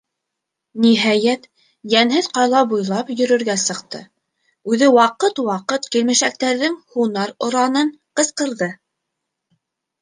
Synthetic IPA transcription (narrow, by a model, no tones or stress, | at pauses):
niɦɑjæt̪ | jænɦɘðqɑjlˠɑbujlˠɑpjɵ̆ɾɵ̆ɾɡæsɤ̆qt̪ɤ̰ | ʉðɘwɑqɤt̪wɑqɤt̪kilmɘ̆ʃæk̚t̪æɾðɘŋhunɑɾŏɾɑnɤɴ | qɤ̆sqɤ̆ɾðɤ